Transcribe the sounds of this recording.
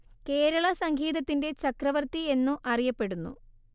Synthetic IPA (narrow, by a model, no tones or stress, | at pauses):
ke̞ːɾɐɭɐsɐŋɡʱiːðɐt̪ːinde̞t͡ɕɐkrɐʋɐrt̪ie̞nːuʔɐrijɐpːe̞ɽunːṵ